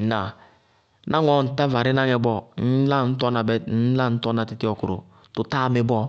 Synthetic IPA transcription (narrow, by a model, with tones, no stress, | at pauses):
na˨ | nʔa˦ŋɔ˦˨n̩˨ta˦va˨ɾɪ˦na˦ŋɛ˨bɔ˦n̩˦la˦˨n̩˦tɔ˦na˨bn̩˦la˦n̩˦tɔ˦na˨ti˦ti˦ɔ˨ku˨ɾo̰˨ | tu˨ta˦˨˦me˨˦bɔ˦